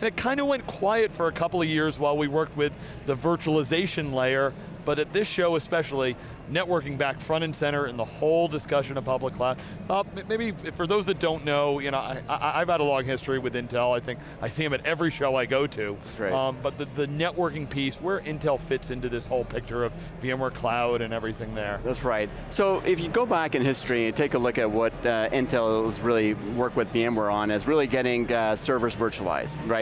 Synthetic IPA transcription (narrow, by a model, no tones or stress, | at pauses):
ɨ̃ñɨt̚kʰãɪ̃ndəwɛ̃nkʰw̥aɪɨtfə˞ɨkʰʌpl̩ˠʌvjɪɹzwaɪlˠwiwɜ˞k̚t̚wɪð | ɨvɜ˞t͡ʃl̩ˠəzeɪʃɨ̃nleɪə˞ | b̥ʌɾɨt̪̚ðɪsʃoʊɨspɛʃl̩ˠi | nɛʔ̚wɜ˞kɪ̃ŋbækfɹʌ̃ɾ̃ɨ̃nsɛ̃ɾ̃ə˞ɨ̃nðəhoʊlˠdɨskʌʃɨ̃nʌpʰʌbləkʰl̥ḁ | ʌmmeɪbifə˞ðoʊzðɨt̚d̥õʊ̃nːoʊjɨñoʊa̰ɪaɪʔaɪʔaɪv̥əɾəlɔ̃ŋɦɪstɹ̥iwɨðɪ̃ntʰɛlˠaɪθɪ̃ŋk | aɪsiɨ̃mɨɾɛvɹiʃoʊaɪɡoʊɾʉ | ʌ̃bʌt̪̚ðɨðɨnɛʔwɜ˞kɪ̃ŋpʰiswə˞ʔɪ̃ntʰɛlˠfɪtsɪ̃ntʉðɪshoʊlˠpʰɪk̚t͡ʃə˞ʌv | viɨ̃mə˞kʰl̥aʊɾɨ̃nɛvɹiθɪ̃ŋðə˞ðætsɹaɪt̚ | soʊʔɪfjɨɡoʊbækɨ̃nhɪstɹ̥iɨ̃ntʰeɪkəlʊkɨt̚wʌɾʌɪ̃ntʰɛlˠzɹɪlˠiwɜ˞kwɨðviɛ̃mə˞ə̃nɨzɹɪlˠiɡɛɾɪ̃ŋsɜ˞və˞svɜ˞t͡ʃuəlˠa̰ɪz̥d̥ɹaɪt